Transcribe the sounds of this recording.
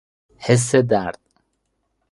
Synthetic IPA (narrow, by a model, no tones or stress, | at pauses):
hɛs̬ɛd̪aɾt̪̚ʼ